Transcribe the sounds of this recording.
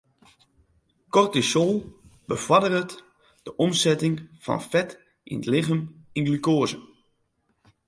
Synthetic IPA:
kɔrtisolˠb̥əfɔdərət | d̥əʔɔmsɛtɪŋfɔ̰nfɛt | ʔḭnətlɪɣəminɡlykoəzə

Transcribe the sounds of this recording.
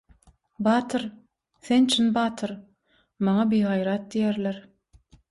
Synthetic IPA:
bɑːt̪ʰɯɾ | θent͡ʃʰinbɑːt̪ʰɯɾ | mɑŋɑbijɦɑjɾɑt̪̚d̪ijeɾlʲeɾ

